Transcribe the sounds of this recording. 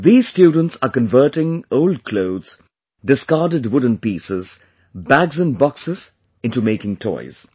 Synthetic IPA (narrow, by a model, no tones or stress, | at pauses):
ðiːzstjuːɖə̃n̩ʈsakə̃nvəːʈɪ̃ŋoʊld̚kʰloʊdz̥ | ɖɪskaːdəɖwʊd̃ⁿn̩piːsɪz | bæɡzə̃nbɔksɪz | ɪ̃ntumeɪkɪ̃ŋtʰɔ̰ɪz̥